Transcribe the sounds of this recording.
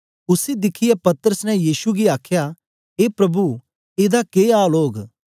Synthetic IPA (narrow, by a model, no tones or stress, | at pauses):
ʊsed̪ɪkʰːɪjepɐt̪əɾəsnɛjiːsuɡiaːkʰja | ɦeːpɾɐbu | eːd̪akeːaːloːɡ